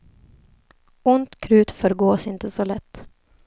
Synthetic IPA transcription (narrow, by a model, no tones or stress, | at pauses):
ʊnt̪kʰɾʉ̟ːt̪fœɾɡoːsɪnt̪əsɔlɛt̪ː